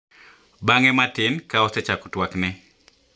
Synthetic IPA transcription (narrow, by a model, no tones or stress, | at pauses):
baŋɛmatɪnkaɔsɛt͡ʃakɔ̥twaknɛ